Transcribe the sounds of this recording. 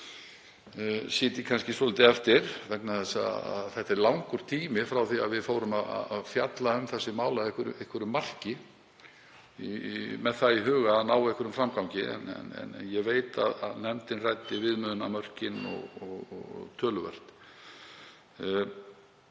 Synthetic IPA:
siːt̪ɪkʰanscɪsɔlɪt̪ɪɛft̪ɪɾ̥vɛknaθɛsːa̰a̰ðθɛht̪ɛɾlawŋkʏɾ̥t̪ʰiːmɪfɾawθiaðvɪðfoːwɾʏmaða̰afjat̪laʏmθɛsːɪmaːwlaðɛhkʏɾehkɾʏmːar̥cɪ | mɛðθaiɦœːɣaːnaːwaehkʏɾʏmfɾamkawɲcɪɛ̰nɛ̰nɛ̰nnjɛɣveːjt̪a̰ða̰ðnɛmt̪ɪnrajt̪ɪvɪðmʏːðʏnamœr̥cɪnɔ̰ɣɔɣ̰t̪ʰœːlʏvɛ̰r̥t̪

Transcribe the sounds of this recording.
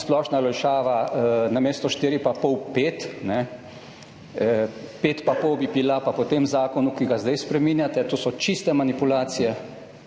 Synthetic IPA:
splɔʃnalɔjʃaːʋanameːst̪ɔʃt̪iːɾipapɔwpeːt̪nɛ | peːt̪papɔwbibilapapɔt̪emzaːkɔnukiɡazd̪ajspɾɛminjat̪ɛt̪oːsɔt͡ʃist̪ɛmanipulaːt̪sijɛ

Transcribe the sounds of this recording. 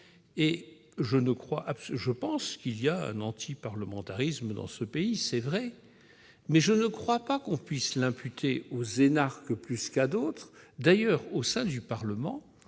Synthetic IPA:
e | ʒənəkχwaʔapsʒəpɑ̃skiliaɛ̰̃nɑ̃t̪ʰipaʁləmɑ̃t̪aʁisməd̪ɑ̰̃səpeisɛvʁɛ | mɛʒənəkχwapakɔ̃pɥislɛ̃pyt̪ʰeozenaʁkəplyskad̪ot̪χd̪ajœːʁosɛ̃d̪ypaʁləmɑ̃

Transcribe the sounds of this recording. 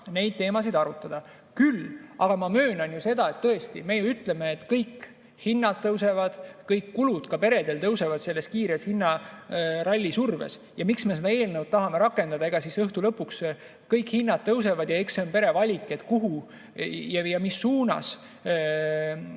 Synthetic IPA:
ne̞jd̪̚t̪e̞ːmɑsid̪̥ɑɾut̪ːˑɑd̪̥ɑ | kylʔɑɡ̥ɑmɑmø̞ːnɑnjuse̞d̪̥ɑe̞t̪ːɤe̞st̪ḭme̞juyt̪ˑle̞me̞ːt̪ːkɤjkː | hinːɑd̪̥̚t̪ɤwse̞vɑd̪̥kɤjkːulud̪̥kɑpe̞ɾe̞d̪̥e̞lt̪ɤwse̞vɑd̪̥se̞lːe̞st̪kiːɾeshinːɑ | rɑlʲːisurve̞̰s | jɑmiksme̞se̞d̪ɑe̞ːlnəwd̪̚t̪ɑɦɑme̞ɾɑkːˑe̞nd̪̥ɑd̪ɑeɡ̥ɑsisɤht̪ulɤpːˑuks | kɤjkhinːɑt̪̚t̪ːɤws̬e̞vɑd̪jɑekseonpe̞ɾe̞vɑlʲikːˑet̪kuɦu | jɑjɑmisːuːnɑ̰s

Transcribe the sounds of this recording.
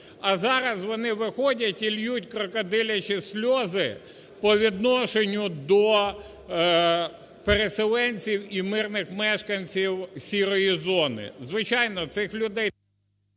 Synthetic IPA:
ɐzɑɾɐzʋɔnɪʋɪxɔdʲɐtʲilʲjutʲkɾɔkɐd̪ɪlʲɐt͡ʃʲisʲlʲɔzɪ | pɔʋʲid̪nɔʃenʲːʊd̪ɔ | peɾeselˠɛnʲt͡sʲiwimɪrnɪxmɛʃkɐnʲt͡sʲiwsʲiɾɔjizɔnɪ̰zʋɪt͡ʃɑjnɔt̪sɪxlʲʊd̪ɛj

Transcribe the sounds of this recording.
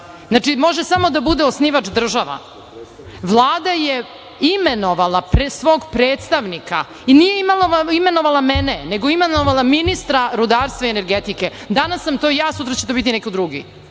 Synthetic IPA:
znat͡ʂimo̞ʒesamo̞d̪abud̪eosniʋat͡ʃd̪r̩ʒaʋa̰ | ʋlˠaːd̪aje | imeno̞ʋalˠapɾesʋo̞ːɡpɾeːt̪st̪aʋnika̰ | inijeimalime̞no̞ʋalˠameneneɡoimenoʋalˠaminist̪ɾaɾud̪aːɾst̪ʋaiene̞ɾɡet̪ike | d̪anasːamt̪oijaːsut̪ɾat͡ɕe̞t̪o̞bit̪inekid̪ɾuɡḭ

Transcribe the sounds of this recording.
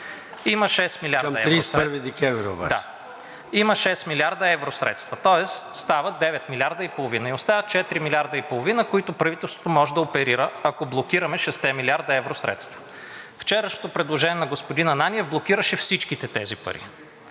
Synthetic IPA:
iməʃɛsmilʲiaɾdmɐɛɾispɾvid̪ɛkʲɛ̃vɾio̰ba̰d̪at͡ʃɛ | iməʃɛsmilʲaɾd̪ɐɛvɾosɾɛ̰t̪st̪vɐt̪ɔɛsst̪avəd̪ɛvɛt̪milʲiaɾd̪əipolˠovinəiost̪avət̪̚t͡ʃɛt̪ɾimilʲaɾd̪əipolˠovinəkoit̪opɾɐvit̪ɛlˠst̪v̥ot̪omɔʒɛd̪ɐopɛɾiɾəɐkoblˠok̟iɾɐmɛʃɛst̪ɛmilʲiaɾd̪ɐɛvɾosɾɛ̰t̪st̪vɐ̥ | ft͡ʃɛɾəʃno̥t̪opɾɛd̪lˠoʒɛnʲiɛnɐɡospod̪inɐnanʲiɛvblˠok̟iɾəʃɛfsit͡ʃkit̪ɛt̪ɛzipɐ̰ɾḭ

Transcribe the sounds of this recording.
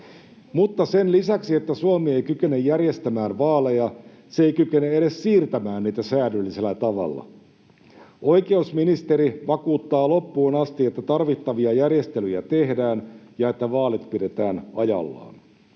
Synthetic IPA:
mut̪ːɑsenlisæksie̞t̪ːæsuomie̞jkyke̞nejːærje̞st̪æmæːnʋɑːle̞jɑ | seeijkykeneeɾessiːrt̪æmæːnniːt̪æsæːnylːise̞lːæt̪ɑʋɑ̰lːɑ̰ | ʔojke̞usminist̪eɾiʋɑkuːt̪ːɑːlo̞pːuːnɑst̪iet̪ːæt̪ɑrʋit̪ːɑʋiɑjærjest̪elyjæ̰t̪e̞hdæːnjɑe̞t̪ːæʋɑːlit̪pide̞t̪æːnɑjɑ̰lːɑ̰ːn

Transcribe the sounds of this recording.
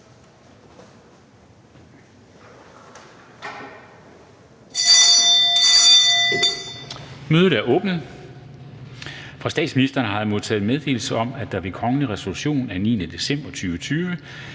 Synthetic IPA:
møːð̩ˠæɐʔɔ̽ːb̥n̩ | fʁɑ̈sd̥ɛ̰ːd̥sminisd̥ʁɐːnəɦɑ̈moð̰ˠt͡sʰɛ̰ːð̩ˠmeð̞ˠd̥e̝̰ːl̩səɒ̽m̰æd̥ɑ̈ʋe̝kʰɒ̽ŋəliʁɛso̝luɕo̝̰ːnænḭːnəd̥e̝sem̰b̥ɐt͡sʰyːʋət͡sʰyːʋə

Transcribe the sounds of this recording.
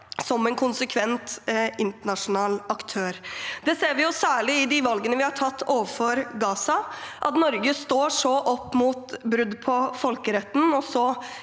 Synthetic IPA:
sɔmɛnkʰʊnsəkʰʋɛnt̪ʔɪnt̪əɳɑʂʊnɑːlɑkt̪ʰøːɾd̪ɛseːɾʋɪjʊsæːɭɪɪd̪ɪʋɑlɡənəʋɪhɑʈʰɑt̪ːoːʋəfɔɾɡɑːsɑʔɑt̪nɔɾɡəst̪oːʂɔʔɔpːmuːt̪bɾʉd̪ːpʰɔfɔlkəɾɛt̪ːn̩ɔsɔ

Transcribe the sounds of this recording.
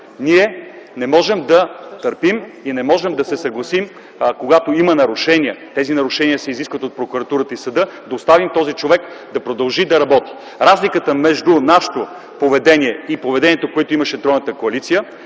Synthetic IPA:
niɛ | nɛmɔʒɛmd̪ɐt̪əɾpiminɛmɔʒɛmd̪ɐsɛsɐɡlˠɐsim | koɡat̪oimənɐɾʊʃɛniət̪ɛzinɐɾʊʃɛniəsɛiziskvɐt̪ot̪̚pɾokuɾɐt̪uɾət̪əisɐd̪ɤd̪ɐost̪avimt̪ɔzit͡ʃovɛk | d̪ɐpɾod̪ɐlˠʒid̪ɐɾɐbɔt̪i̥ | ɾazlikət̪əmɛʒd̪unaʃɛ̥t̪o | povɛd̪ɛniɛipovɛd̪ɛniɛt̪okoɛt̪ʊimɐʃɛd̪ɾɔjnət̪əkoɐlit̪sijə

